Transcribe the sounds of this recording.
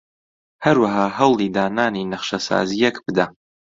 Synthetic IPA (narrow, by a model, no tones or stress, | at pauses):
hɐɾwaɦaːɦɐwliːd̪aːnaːninɐχʃɐsa̰ːzijɛkbɨd̪ɐ